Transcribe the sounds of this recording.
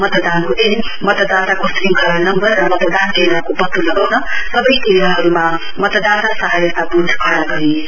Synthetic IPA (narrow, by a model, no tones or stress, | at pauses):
mʌt̪d̪ankud̪enmʌt̪d̪at̪akosɾiŋkʌɾnʌmbʌrːʌmʌt̪d̪ankenɾʌkopʌt̪ːulʌɡawnʌsʌbʌjt̪eijaɦʌɾuma | mʌt̪d̪at̪asʌɦajʌt̪abud̪ʱkʰaɽaɡʌɾi